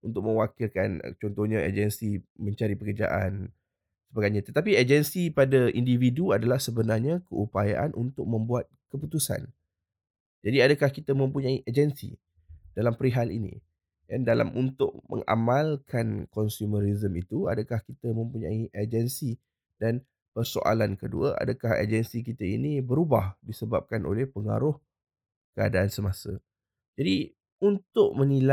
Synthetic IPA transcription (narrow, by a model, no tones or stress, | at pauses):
unt̪ʊk̚mə̃wakɪlkan̰t͡ʃɔnt̪ɔhɲaḛd͡ʒənsimə̃ɲt͡ʃaɾipəkərd͡ʒa̰ʔa̰n | səbaɡajɲat̪ət̪apiəd͡ʒənsipadaʔindividuadalahsəbənarɲakəupaja̰ʔanʔunt̪ʊk̚mə̃mbuat̪̚kəput̪usa̰n | d͡ʒadiadakahkit̪amə̃mpuɲãiʔəd͡ʒənsḭ | d̥alampəɾiɦalḭnḭ̃ | jandala̰munt̪ʊʔ̚mə̰̃ŋʔa̰malkʰankɔnsuməɾizəmit̪ua̰dəkahkit̪əmə̃mpuɲã̰iʔəd͡ʒənsi | d̥an | pərso̰ʔa̰lankədṵəʔa̰dəkahə̰d͡ʒənsik̬it̪aḭnibəɾubahdisəbap̚kanʔo̰lɛhpəŋa̰ɾʊh | kəa̰daʔansəmasə | d͡ʒadi | unt̪ʊʔ̚mə̃nila